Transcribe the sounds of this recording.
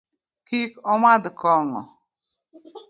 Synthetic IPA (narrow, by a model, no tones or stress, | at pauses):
kikɔmad̪kɔŋɔ̰